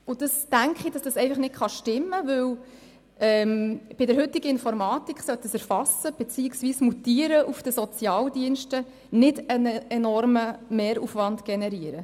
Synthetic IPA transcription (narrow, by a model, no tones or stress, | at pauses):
ʊd̥ɑstæŋkχid̥ɑsd̥̪ɑsɛɪfɑχnɪtχɑʃtɪmːəʋɵw | ʔɛːmb̥ɪdəɾhʏt̪iɡəɪnfɔɾmɑːt̪ikχsœt̪ːəsæɾfɑsːəb̥ɛt͡siːɪksʋiːsmutiːəɾəʔufd̥əsɔt͡sjɑːldiənʃtə | nɪdənəɛnɔrməmɛːɾufʋɑndɡ̥ɛnɛɾiəɾə